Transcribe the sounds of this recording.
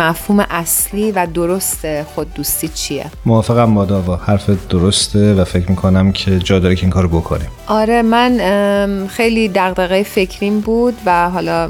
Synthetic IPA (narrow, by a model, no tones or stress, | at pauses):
æfhuːmeʔæsliːvæd̪oɾo̞st̪exod̪ːuːst̪iːt͡ʃʰijḛmovɒːfeɣæmbɒːd̪ɒːvɒːhæɾfed̪̥oɾost̪ʰevæfe̞cʰɾmiːkʰonæmcʰe̞d͡ʒɒːjd̪ɒːɾekʰeiːŋkʰɒːɾobokʰo̰nimʔɒːɾemæn | xe̞jliːd̪æɣd̪eɣejefe̞cʰɾimbuːd̪væɦɒːlɒː